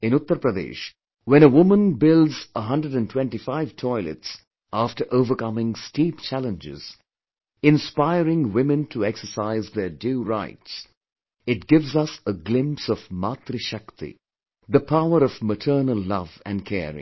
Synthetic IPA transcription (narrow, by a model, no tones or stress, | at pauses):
ɪ̃nʊt̪ːəɾpɾəd̪ḛːʃ | wɛ̃nəwʊmə̃nbɪlˠdzəɦʌ̃ndɹəɾɨ̃ntʰw̥ɛ̃nʈifaɪv̥tʰɔɪlɨ̰ts | ʔaftə˞ʔoʊvəkʌmɪ̃ŋstiːp̚t͡ʃʰælə̃nd͡ʒɪ̰z̥ | ɪ̃nspaɪɾɪ̃ŋwɪmɨ̃ntʰəɛksəsaɪzðədjuɾaɪts | ɪt̚ɡ̥ɪvzʌsəɡlɪ̃mpsʌvmat̪ɾɨʃʌkt̪ḭ | ðəpʰaʊəɾʌvmətʰə˞nəlˠːʌ̰vɨ̰̃nkʰɛ̰ːɹɪ̰̃